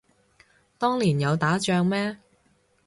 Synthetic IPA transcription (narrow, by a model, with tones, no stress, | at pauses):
t̪ɔː˥ŋliː˨˩njɐ˨˧wt̪aː˨˥t͡ʃœː˧ŋmɛː˥